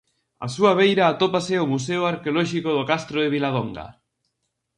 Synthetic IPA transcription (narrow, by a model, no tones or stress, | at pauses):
a̰suaβejɾaːt̪opasɪomus̬eoaɾkeolɔʃikoðokast̪ɾoɪβilaðoŋɡa̰